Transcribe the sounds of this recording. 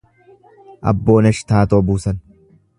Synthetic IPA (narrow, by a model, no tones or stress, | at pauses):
ʔɐ̰bːo̞ːnɐʃt̪aːt̪o̞ːbuːsɐn